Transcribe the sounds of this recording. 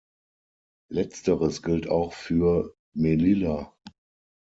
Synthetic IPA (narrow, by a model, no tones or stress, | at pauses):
lɛt͡stəʁəsɡ̥ɪltaʊxfyːɐ | melɪla